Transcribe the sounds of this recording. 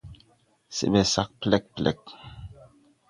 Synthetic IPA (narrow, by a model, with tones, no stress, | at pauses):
sḛ˨mɛ˨sa˦˨k̚plɛ˦k̚plɛ̰˨k̚